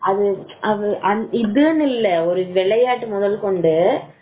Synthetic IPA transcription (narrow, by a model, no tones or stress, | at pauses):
ɐðɯʔɐʋɯʔɐnɪðɯnɪlːɐɔɾɯʋɛɭɐjaːʈːɯmʊðɐlkɔɳɖɯ